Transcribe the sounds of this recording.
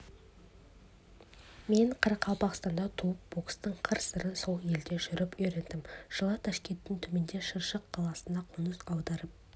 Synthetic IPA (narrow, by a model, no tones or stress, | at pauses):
me̞ɴqʰɑɾɑqʰɑlˠpɑqst̪ɑnd̪ɑt̪ʰuwəp̚bokst̪əɴqʰəɾsəɾənso̞lˠje̞ld̪e̞ʒʏɾɪpɵɾe̞nd̪ɪmʒ̥əlˠɑt̪ʰɑʃkʲe̞nt̪ːɪŋt̪ʰɵme̞nd̪e̞ʃəɾʃəqːʰɑlˠɑsənd̪ɑqʰonəsɑwd̪ɑɾəp̚